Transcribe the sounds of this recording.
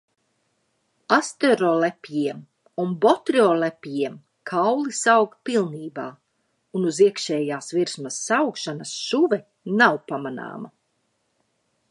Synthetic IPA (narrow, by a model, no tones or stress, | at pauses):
ast̪eɾɔlˠɛpʲjiɛm | unbɔt̪ɾiɔlˠɛpʲiɛm | kʰawlˠisawɡpilˠniːbaː | unuziɛkʃɛːjaːsviɾsmɐsːawkʃanɐsʃuvɛ | nawpamana̰ːmɐ